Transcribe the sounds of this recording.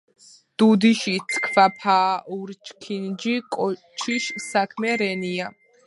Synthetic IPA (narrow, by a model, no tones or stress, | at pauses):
d̪̥ud̪iʃit̪sʰkʰvapʰaːuɾt͡ʃʰʼkʰind͡ʒikʼɔ | t͡ʃʰiʃsakʰmɛɾɛnia